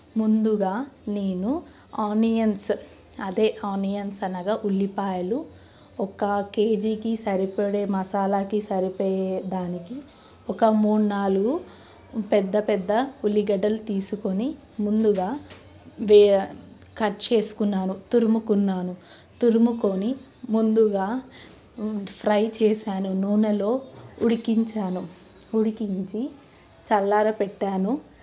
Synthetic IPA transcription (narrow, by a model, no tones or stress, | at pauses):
mund̪uɡaːneːnu | aːnijɐns | ɐd̪eːʔaːnijɐnsɐnɐɡaːʔulːipaːjɐlu | ɔkɐke̞ːd͡ʒiːkisɐɾipɐɽeːmɐsaːlaːkisɐɾipɔːjed̪aːniki | ɔkɐmuːɳnaːluɡu | pɛd̪ːɐpɛd̪ːɐulːiɡɐɖɐlut̪iːsuko̞ni | mund̪uɡaː | ʋ | kɐʈt͡ʃe̞ːsu̥kunːaːnut̪uɾumukunːaːnu | t̪uɾumuko̞ni | mund̪uɡaː | pʰɾɐjt͡ʃeːsaːnunuːnɐlo̞ːuɽikiɲt͡ʃaːnu | uɽikiɲt͡ʃi | t͡ʃɐlːaːɾɐpɛʈːaːnu